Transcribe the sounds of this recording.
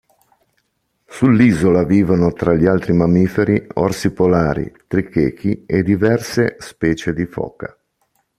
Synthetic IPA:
sulːiːzolaviːvonot̪ɾaʎːialt̪ɾimamiːfeɾiɔ̰rsipolaːɾḭt̪ɾikeːk̟ʰied̪ivɛrsespɛːt͡ʃed̪ifɔ̰ːka̰

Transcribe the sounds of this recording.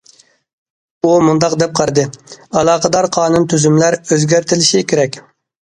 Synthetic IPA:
umund̪ɑqd̪ɛp̚qʰɑɾd̪ɨɑlˠɑːqəd̪ɑɾqʰɑːnunt̪ʰyzymlæɾøzɡʲæɾt̪ʰɪlɪʃikʲʰeɾɛkʲ

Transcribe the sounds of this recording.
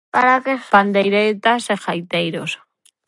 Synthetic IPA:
kaɾakeand̪ejɾet̪asexajt̪ejɾos

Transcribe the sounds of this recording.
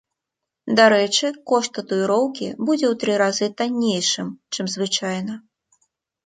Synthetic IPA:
d̪aɾɛt͡ʂɨkɔʂt̪ɐt̪uiɾɔwkʲibud͡zʲɛwt̪ɾɨɾazɨt̪anʲːejʂɨmt͡ʂɨmzvɨt͡ʂajnɐ

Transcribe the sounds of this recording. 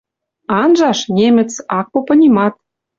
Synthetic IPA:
ɑnʒɑʃnʲemɘ̆t͡sɑk̚popɤ̆nʲimɑt̪̚

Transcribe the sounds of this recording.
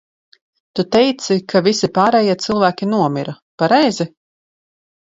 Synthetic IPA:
t̪ut̪ɛjt̪sikʰavisipaːɾɛːjiːɛt̪silˠvæːkʲinuɔmiɾa | paɾɛjzi

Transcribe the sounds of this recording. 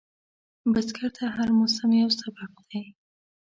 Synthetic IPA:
baskʰaɾt̪ʰaɦaɾmʊsamjawsabab̚d̪̥aj

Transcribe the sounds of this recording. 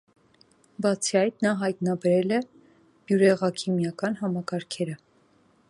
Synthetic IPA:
bɑt͡sʰiɑjt̪nɑɦɑjt̪nɑbɛɾɛlɛ | b̥juɾɛʁɑkʰimjɑkɑnɦɑmɑkɑɾkʰɛɾə

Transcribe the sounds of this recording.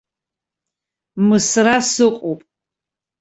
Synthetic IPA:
mɨsrasɨqʷʼopʼ

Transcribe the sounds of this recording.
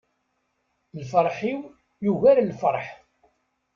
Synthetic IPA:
lfəɾˤħiw | juʝæɾlfəɾˤħ

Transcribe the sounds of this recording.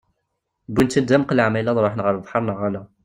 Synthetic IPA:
bːunt̪ːænd̪æmqlʕmælæðˤɾˤoħnəʁəɾvħɑɾˤnəʁælæ

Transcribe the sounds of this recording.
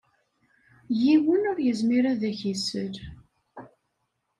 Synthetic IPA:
jiwənʊɾjəzmiɾæðæçisəl

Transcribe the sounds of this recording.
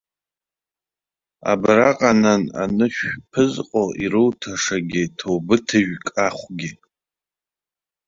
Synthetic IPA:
a̰bɾaqʼanana̰nɨʃᶣpʰɨzqʼoʔiɾɨwtʰaʂaɡʲɪtʰowbɨtʰɨʒᶣkʼaχʷɡʲɪ

